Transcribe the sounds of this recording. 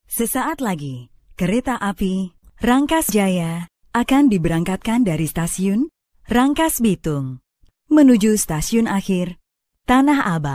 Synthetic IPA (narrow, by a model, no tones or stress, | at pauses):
səsaʔat̪laɡi | kəɾet̪aʔapiraŋkasd͡ʒaja | ʔakandibəɾaŋkat̪̚kandaɾist̪asiʊn | raŋkasbit̪ʊŋ | mənud͡ʒust̪asiʊnaxɪr | t̪anaɦabat̪̚